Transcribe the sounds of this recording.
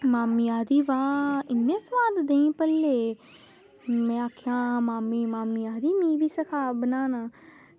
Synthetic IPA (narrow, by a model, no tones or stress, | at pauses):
maːmijaːd̪iːʋãːɪnːẽːsʋaːd̪d̪ẽĩːpəlːe | mɛ̃aːkʰjãːmaːmiːmaːmijaːd̪iːmĩːbiːsəkʰaːbənaːna